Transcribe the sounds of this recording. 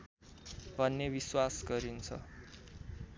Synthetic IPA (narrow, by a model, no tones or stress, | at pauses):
bʱʌnːebiswasɡʌɾint͡sʰʌ̰